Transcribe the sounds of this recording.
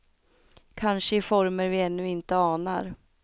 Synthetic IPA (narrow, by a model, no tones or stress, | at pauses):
kʰanʂəɪfɔɾməɾvɪɛnːɵɪnt̪əɑːnaɾ